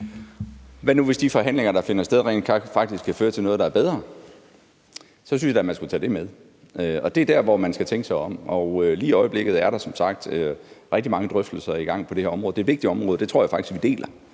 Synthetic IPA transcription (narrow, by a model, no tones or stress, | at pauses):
ʋænuʋe̝sd̥ifɒ̽ɦæn̰le̝ŋɐɾ̥ɑ̈fe̝nɐsd̥eð̞ˠʁḛːnd̥kʰfɑ̈ɡ̥̚d̥isɡ̥kʰːæføːɐt͡sʰe̝nɔ̽ːð̞̩ˠdɑ̈æɐb̥eð̞ˠʁɐ | sɒ̽synsjdɑæmænsɡ̥ut͡sʰɛ̰ːd̥e̝með̞ˠ | øɒ̽d̥e̝d̥æɐʋɒmænsɡ̥æt͡sʰeŋɡ̥əsɑ̈ɪɒ̽m̰ɒʊøliːiɒ̽ɪəb̥le̝ɡ̥ð̩ˠæɐɾ̥ɑ̈sɒ̽msɑ̈ɡ̥̚d̥øʁɛɡ̥̚d̥imɑ̈ŋəd̥ʁœfd̥l̩sɐiɡ̥ɑ̈ŋ̰pʰɒ̽d̥e̝heɐɒ̽mʁɔ̽ð̩̥ˠe̝ːdʋe̝ɡ̥̚iɒ̽mʁɔ̽ːðˠə̥de̝t͡sʰʁo̝ɐ̰jɑ̈fɑ̈ɡ̥i̥sɡ̥ʋid̥e̝̰ːlʔɐ